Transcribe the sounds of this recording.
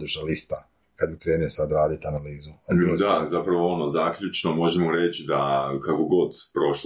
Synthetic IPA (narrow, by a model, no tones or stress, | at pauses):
d̪uʃalist̪a | kad̪bikɾeːnulsad̪ɾaːd̪it̪analiːzud̪azapɾaʋoonozaːkʎʲut͡ʃnomo̞ʒemoɾet͡ɕid̪akakoɡo̞d̪pɾo̞ʃ